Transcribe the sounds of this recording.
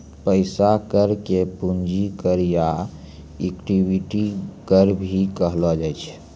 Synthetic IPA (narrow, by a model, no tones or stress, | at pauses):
pəɪsakəɾkepund͡ʒikəɾja | ekʈibiʈikəɾbʱikəɦlɔd͡ʒɛjt͡ʃʰ